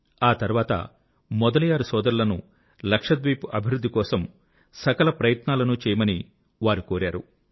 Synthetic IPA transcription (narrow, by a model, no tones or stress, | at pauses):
aːt̪ɐɾuʋaːt̪ɐ̰ | mɔd̪ɐlijaːɾusɔːd̪ɐɾulɐnu | lɐkʂɐd̪ʋijpuʔɐbʱiɾud̪ʱːikɔːsɐm | sɐkɐlɐpɾɐjɐt̪naːlɐnut͡ʃɛːjɐmɐni | ʋaːɾukoːɾaːɾu